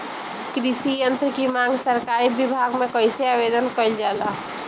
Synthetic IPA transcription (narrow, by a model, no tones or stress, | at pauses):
kɾisijənt̪ɾəkimãŋɡsəɾkaɾibibʱaɡmekəɪseabed̪ənkəɪld͡ʒala